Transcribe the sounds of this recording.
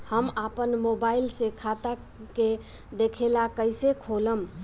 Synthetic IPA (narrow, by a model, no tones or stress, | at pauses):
həmapənmobailsẽkʰat̪a | ke | d̪ekʰelakəɪsekʰoləm